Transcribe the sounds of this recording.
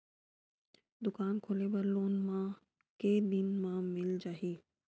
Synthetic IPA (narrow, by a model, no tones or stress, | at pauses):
d̪ʊkaːnkʰoːlebɐɾloːnmã | ked̪ɪnmãmɪld͡ʒaːɦiː